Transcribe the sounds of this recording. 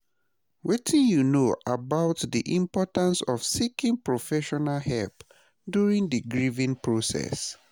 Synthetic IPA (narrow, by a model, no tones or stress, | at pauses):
wetʰĩnjunoʔabaʊtdiʔĩmpɔtãnsɔfsikĩŋpɹɔfɛʃɔnalhɛlp | djuɹĩŋdəɡɹivĩŋpʰɹosɛ̰s